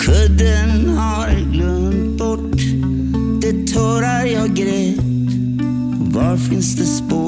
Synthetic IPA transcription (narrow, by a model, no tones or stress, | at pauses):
kʰɵd̪ənhɑɾɛnɡlɵndd̪bɔʈ | d̪̥ɛt̪ʰɔːɾaɾjɑːɡɾeːt̪ | vɑɾfɪnsd̪ɛspoː